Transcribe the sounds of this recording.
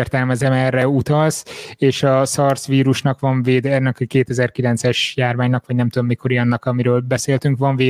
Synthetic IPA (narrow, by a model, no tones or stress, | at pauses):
rt̪ɛlmɛzɛmɛrːɛut̪ɒlseːʃɒsɒrsʋiːɾuʃnɒkʋɒɱveːd̪ɛnːɛkkeːt̪ɛzɛrkilɛnt̪sɛʃjaːrmaːɲnɒkʋɒɟnɛmt̪ud̪o̞mːikʰo̞ɾijɒnːɒkɒmiɾøːlbɛseːlt̪yŋkʋɒɱveː